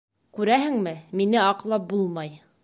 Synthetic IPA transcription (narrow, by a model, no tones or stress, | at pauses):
kʉɾæɦɘ̆ŋmɘminɘɑqlˠɑp̚bulˠmɑj